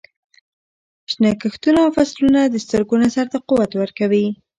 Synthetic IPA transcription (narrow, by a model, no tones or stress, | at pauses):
ʃnakəxt̪unoawfaslunad̪əst̪əɾɡonasaɾt̪aquwat̪wəɾkawi